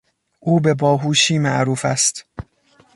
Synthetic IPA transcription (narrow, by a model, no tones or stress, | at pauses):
ʔuːbebɒːɦuːʃiːmæʔɾuːfæst̪